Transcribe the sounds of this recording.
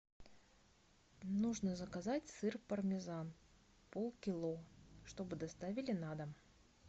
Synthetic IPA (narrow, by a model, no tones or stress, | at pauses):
nuʐnəzəkɐzatʲsɨrpərmʲɪzan | polˠkʲɪlˠoʂt̪o̞bɨd̪ɐst̪avʲɪlʲɪnad̪əm